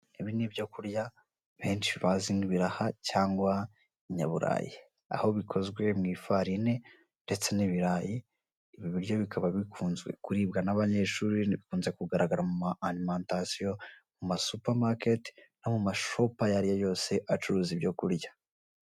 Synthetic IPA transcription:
iβinibjo̞kuɾja | βe̞ːnt͡ʃiβaziniβiɾahacaːŋɡwa | iɲa̰βuɾa̰ːji | a̰ho̞βikʰo̞zɡwe̞mŋiːfaɾine̞ | nde̞t͡se̞niβiɾajiː | βiβiɾjo̞βikʰaβaβikʰuːnzɡwe̞̰kuɾiːb̚ɡanaβaɲe̞ʃuːɾiniβikuːnze̞kuɡaɾaɡaɾamumanimaːntasijo̞mumasupaɾmaketnomumaʃopajaɾijojo̞ːse̞ʔat͡ʃuɾuːzibjo̞kuɾjḁ

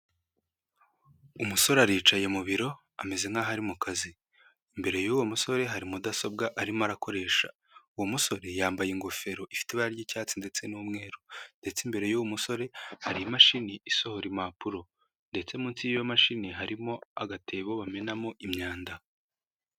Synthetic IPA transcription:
umuso̞ɾaɾiːt͡ʃaje̞muβiɾo̞ | ame̞ze̞ŋaɦaɾimukazi | imbe̞ɾe̞juwomuso̞ɾe̞ɦaɾimudaso̞bɡaʔaɾimoaɾako̞ɾe̞ːʃa̰ | uwomuso̞ɾe̞jaːmbajiŋɡo̞fe̞ɾo̞ʔifi̥teβaaɾɟicaːt͡sinde̞t͡se̞numŋe̞ːɾonde̞t͡simbe̞ɾe̞juwomuso̞ɾe̞haɾijimaʃiniiso̞ho̞ɾimapuɾo̞ | nde̞t͡se̞muːnsijjomaʃiniɦaɾimo̞aɡatʰe̞ːβo̞βame̞namoʔimɲaːnda

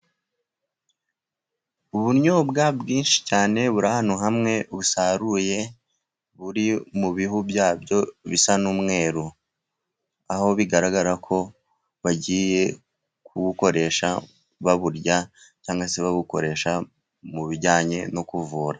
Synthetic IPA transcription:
uβuɾɲobɡabɡiːnʃi̥caːne̞βuɾahanoɦamŋe̞βusaɾuje̞ | βuɾimuβiɦubjaːbjo̞βisanuːmŋe̞ːɾu | aho̞βiɡaɾaɡaɾakʰo̞ | βaɟije̞ | kuɡuko̞ɾe̞ʃa | βaβuɾɟa | caːŋɡwaseβaβuko̞̰ɾe̞ːʃa | muβiɾɟaːɲe̞no̞kuvuːɾa

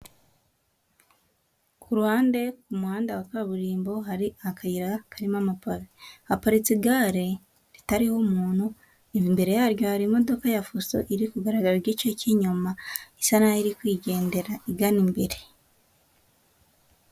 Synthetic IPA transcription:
kʰuɾuhaːnde̞kumuhaːndawakaβuɾiːmbo̞ɦaɾiakʰajiɾakʰaɾimamapaɾapaɾit͡siɡaɾe̞ | ɾitaɾihomuːn̥hu | embe̞ɾe̞jaɾɟo̞haɾimo̞do̞kajafuso̰ʔiɾikuɡaɾaɡaɾaɾjecociɲumaisanaiɾikwiːɟe̞ːnde̞ɾaiɡanimbe̞ɾe̞

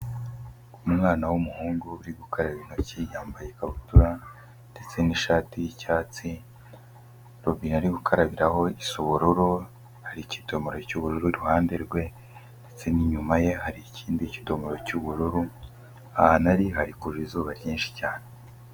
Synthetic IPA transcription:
umŋaːnawumuhuːŋɡuβuɾiɡukʰaɾaβino̞cijaːmbajekaβutuɾa | nde̞t͡se̞niʃaːtijicaːt͡si | ɾobinaɾiɡukʰaɾaβiɾaho̞isoβoɾuɾo | haɾici̥to̞moɾo̞cuβuɾuɾuiɾuhaːndeɾɡwe̞ | nnde̞t͡se̞niɲumaje̞haɾiciːndici̥to̞moɾo̞cuβuɾuɾu | ahanaɾiɦaɾikuʒuizuːβaɾɟiːnʃi̥caːne

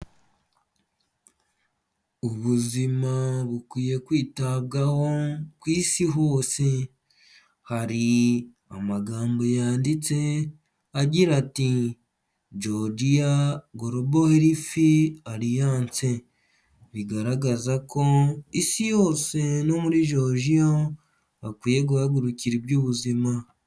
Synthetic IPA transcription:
uβuzimaβukwiːje̞kwiːtaβ̚ɡaho̞kwiːsiɦo̞ːse̞ | haɾi | a̰maɡaːmbo̞jaːndit͡se̞ | aɟiɾati | d͡ʒo̞dijaɡo̞ɾoboheɾifiaɾijaːnt͡se̞ | βiɡaɾaɡazako̞isijo̞ːse̞nomuɾiʒo̞ʒijo | akwiːje̞ɡuhaɡuɾuciɾibjuːβuzima

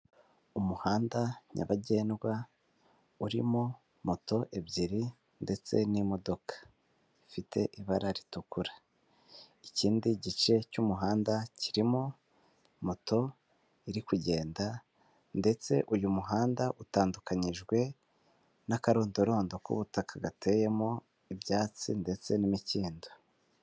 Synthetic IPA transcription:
umuhaːndaɲa̰βaɟe̞ːnɡwa | uɾḭmo | moto̞ʔe̞bɟiɾi | nde̞t͡se̞̰nimo̞do̞kḁ | ifitʰe̞ʔiβaɾaɾitukuɾa | iciːndiɟit͡ʃe̞cumuɦaːndaciɾimo | moto̞ | iɾikuɟe̞ːnda | nde̞t͡se̞ʔujumuɦaːndaʔutaːndukaɲiʒɡwe̞ | nakaɾoːndoɾo̞ːndo̞kṵβutakaɡatʰe̞je̞mo | ibjaːt͡sḭnde̞t͡se̞nimiciːndo

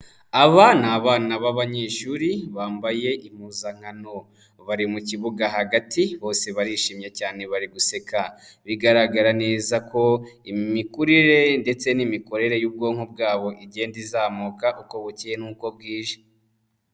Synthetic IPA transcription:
aβanaːβaːnaβaβaɲe̞ːʃuɾiβaːmbaje̞ʔim̥uːzaŋ̥ano̞ | βaɾimuciβuɡaɦaɡatiβo̞ːse̞βaɾiʃiːmɲecaːne̞βaɾiɡuse̞kaβiɡaɾaɡaɾane̞ːzakʰo̞imikuɾiɾe̞nde̞t͡se̞nimiko̞ɾe̞ɾe̞juːb̚ɡo̞ːŋhubɡaːβo̞ʔiɟe̞ːndizaːmukaʔuko̞βucijenuːko̞b̚ɡiːʒe

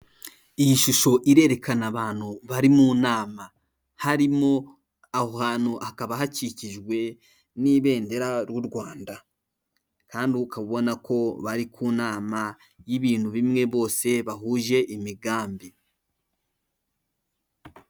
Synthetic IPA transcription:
ijiʃuʃo̞ʔiɾe̞ɾe̞kanaβaːn̥huβaɾimunaːma | haɾimo̞ | ahohaːnuʔakaβaɦaciciʒɡwe̞ | niβe̞ːnde̞ɾaɾwuɾɡwaːnda | kaːndikaβuβo̞nako̞βaɾikʰuːnaːma | jiβiːnhuβimŋe̞βo̞ːse̞βaɦuːʒe̞ʔimiɡaːmbi

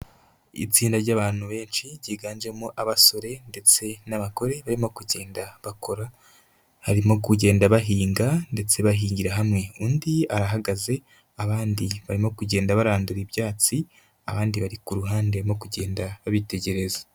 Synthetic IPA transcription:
ḭt͡siːndaɾɟaβaːn̥huβe̞ːnt͡ʃiɟiːɡaːnd͡ʒe̞muʔaβaso̞ɾe̞nde̞t͡se̞naβako̞ɾe̞βaɾimo̞kuɟe̞ːndaβako̞ɾa | haɾimo̞kuɟe̞ːndaβaɦiːŋɡande̞t͡se̞βaɦiːɲɟiɾaɦamŋe̞uːndiaɾaɦaɡaze̞ | aβaːndiβaɾimo̞kuɟe̞ːndaβaɾaːnduɾiβjaːt͡si | aβaːndiβaɾikuɾuɦaːnde̞mo̞kuɟe̞ːndaβaβite̞ɟe̞ɾe̞za

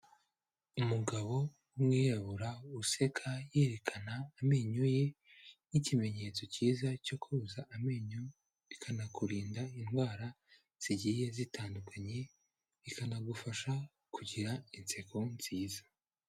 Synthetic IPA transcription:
umuɡaβo̞ | umŋiːjaβuɾause̞kʰaje̞ːɾe̞kʰanaːme̞ɲuje̞ | nicime̞ɲe̞t͡so̞ciːzaco̞kuuzaʔame̞ɲu | βikʰanakuɾiːndainɡwaːɾa | z̥iɟijezitʰaːndukʰaɲe̞ | ikanaɡufaʃa | kuɟiɾaint͡se̞kʰonz̥iːzḁ

